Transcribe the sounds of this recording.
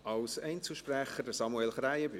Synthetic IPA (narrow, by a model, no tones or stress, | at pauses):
ɑlsɛɪnt͡səʃpɾɛχədəsɑmuelχɾæjəbɪ